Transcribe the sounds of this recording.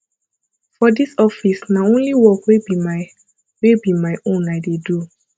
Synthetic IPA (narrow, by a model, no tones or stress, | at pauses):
fɔdisɔfisnaõnliwɔkwebima | webimaɪʔõnaɪdedu